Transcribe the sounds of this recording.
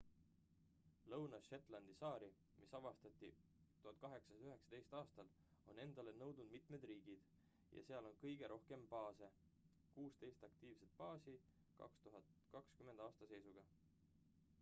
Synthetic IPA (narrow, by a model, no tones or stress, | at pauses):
lɤwnɑʃet̪ːˑlɑnd̪̥isɑːɾi | misɑvɑst̪ɑt̪ːˑi | t̪uhɑt̪̚kɑɦe̞ksɑsyɦe̞ksɑ̥t̪e̞jst̪ɑːst̪ɑl | o̞̰ne̞nd̪̥ɑle̞nɤwd̪̥nud̪̚mit̪me̞d̪riːɡ̥id̪̥ | jɑ̰se̞ɑlo̞nkɤjɡ̥e̞ɾʔo̞hke̞mpɑːse̞ | kuːst̪e̞jst̪ɑkt̪iːv̥set̪̚pɑːsi | kɑ̰kst̪uɦɑt̪kɑkskymːe̞nd̪̥ɑːst̪ɑse̞jsuɡ̥ɑ